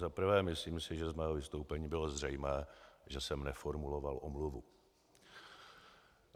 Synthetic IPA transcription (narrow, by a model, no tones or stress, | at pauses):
zapr̩vɛːmɪsliːmsɪʒɛzmɛːɦovɪst̪owpɛɲiːbɪlozr̝ɛjmɛːʒɛsɛmnɛfo̞ɾmulo̞valʔomluvu